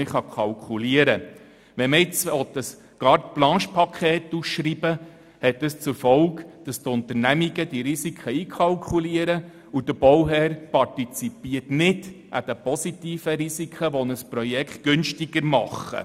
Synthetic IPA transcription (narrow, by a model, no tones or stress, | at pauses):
ɪχɑkʰɑlkʰuliəɾə | ʋɛməɪt͡sɔtəs | ɡ̥ɑːɾtplɑ̃ːʃpʰɑkʰχeːtusʃribə | hɛtːəst͡sʊɾfɔlkd̥ɑst̪ʊnt̪əɾnæmiɡəd̥iɾisikʰχəiːkʰɑlkʰuliəɾə | ud̥̪əb̥ɔwɦɛːɾpɑrtit͡sipiərtnɪdʔæ̰d̥̪ɛpɔsitiːfəɾisikʰχəʋɔnəspɾɔjɛkχtɡ̥ɵnʃtiɡəɾmɑχːə̰